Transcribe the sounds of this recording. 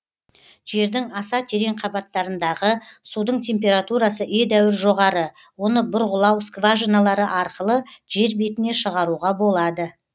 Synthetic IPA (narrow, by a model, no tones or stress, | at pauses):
ʒ̥e̞ɾd̪ɪŋɑsɑt̪ʰe̞ɾe̞ɴqʰɑbɑt̪ːɑɾənd̪ɑʁəsud̪əɴt̪ʲʰe̞mpʲe̞ɾat̪uɾasəʔed̪æwɪɾʒo̞ʁɑɾə | wo̞nəbʊɾʁʊlˠɑwskvaʒinalˠɑɾəʔɑɾqəlˠəʒe̞ɾbe̞t̪ɪne̞ʃəʁɑɾuʁɑbo̞lˠɑd̪ə